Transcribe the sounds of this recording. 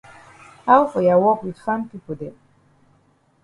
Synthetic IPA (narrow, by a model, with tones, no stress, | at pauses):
ha˦wfɔ˨ja˨wɔ˦kwi˨fa˦mpi˦pu˨d̪ɛ˨